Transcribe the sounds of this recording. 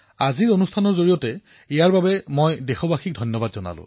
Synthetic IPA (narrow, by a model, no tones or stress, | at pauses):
aziɹonustʰanɔɹzoɹijɔtɛ | ijaɹbabɛmojdexɔbaxik̚dʱɔjnjɔbadzɔna̰lʊ̰̃